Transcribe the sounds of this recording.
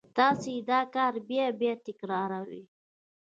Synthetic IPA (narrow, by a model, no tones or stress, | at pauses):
t̪ɑsed̪ɑkɑɾbjɑbjɑt̪ɪkɾɑɾawḭ